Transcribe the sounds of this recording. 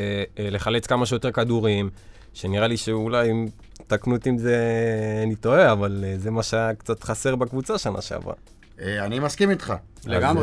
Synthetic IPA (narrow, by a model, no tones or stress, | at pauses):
le̞χalet͡skamaʃejot̪e̞ʁkad̪uʁim | ʃeniʁaliʃeulajim | t̪aknut̪imze̞anit̪oeavalze̞maʃeakt͡sat̪χase̞ʁbakvut͡saʃana̰ʃḛa̰vʁa̰ | eanimaskimit̪χaleɡam